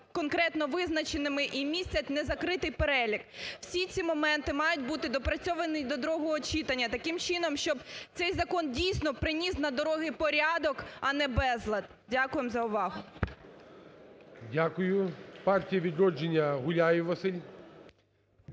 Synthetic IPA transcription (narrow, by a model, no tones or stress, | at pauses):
kɔnkɾɛt̪nɔʋɪznɐt͡ʃenɪmɪʔimʲisʲtʲt͡sʲɐtʲnɛzɐkɾɪt̪ɪjpeɾɛlʲikw̥sʲit͡sʲimɔmɛnt̪ɪmɑjʊtʲbut̪ɪd̪ɔpɾɐt͡sʲɔʋɐnɪd̪ɔd̪ɔɾɔɦɔɦɔt͡ʃit̪ɐnʲːɐt̪ɐkɪmt͡ʃɪnɔmʃt͡ʃɔbt̪sɛjzɐkɔndʲijsʲnɔpɾɪnʲisnɐd̪ɔɾɔɦɪpɔɾʲad̪ɔkɐnɛbɛzlˠɐd̪ | dʲakʊjemzɐʊʋɑɦʊ | dʲakʊjʊpɑrtʲijɐʋʲid̪ɾɔd͡ʒenʲːɐɦʊlʲajɪʋɐsɪlʲ